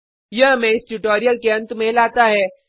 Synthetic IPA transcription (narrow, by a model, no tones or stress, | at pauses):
jɐɦmɛ̃ːɪsʈuʈoːɾijəlkeɐ̃nt̪mẽlaːt̪aɦɛː